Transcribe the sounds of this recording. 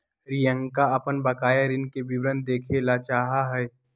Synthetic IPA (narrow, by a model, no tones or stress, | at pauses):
ɾijə̃ŋɡkaɐpənbɐkaːjəɾɪnkebɪbɾə̃nd̪̚d̪eːkʰelat͡ʃaːɦaɦɛː